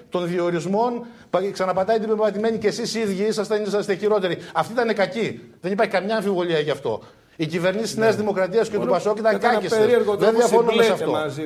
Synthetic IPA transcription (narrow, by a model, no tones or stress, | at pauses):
t̪o̞nðio̞ɾizmo̞n | pksɐnɐpɐt̪ɐjɐd̪ibevmɐt̪ime̞ɲice̞sisiðʝiisɐst̪eɲisɐst̪eçiɾo̞t̪e̞ɾiɐft̪it̪ɐne̞kɐci | ðe̞nipɐɾçi̥kɐmɲɐːɱfivo̞ʎiɐʝɐft̪o̞̰ | icive̞ɾnisisne̞ɐzðimo̞kɾɐt̪iɐscet̪upɐso̞cuit̪ɐŋɡɐceseiɾɣðenðjɐfonumesɐfo